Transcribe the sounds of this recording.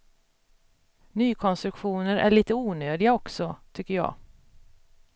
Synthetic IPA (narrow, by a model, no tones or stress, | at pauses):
nyːkʰɔnst̪ɾɵkɧuːnəɾæ̰ɭiːt̪əuːnøːd̪ɪɡaɔksɔt̪ʰʏkːəɾjɑ̰ː